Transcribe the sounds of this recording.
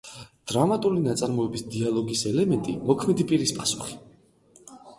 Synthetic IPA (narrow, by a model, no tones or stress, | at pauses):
d̪̥ɾamat̪ʼulinat̪sʼaɾmɔɛbisd̪ialˠɔɡisɛlɛmɛnt̪ʼḭmɔkʰmɛd̪ipʼiɾispʼasu̥χi̥